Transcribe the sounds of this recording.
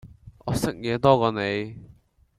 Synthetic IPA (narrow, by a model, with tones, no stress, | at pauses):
ʔɔː˨˧sɪ˥k̚jɛː˨˧t̪ɔː˥kɔː˧ne˨˧j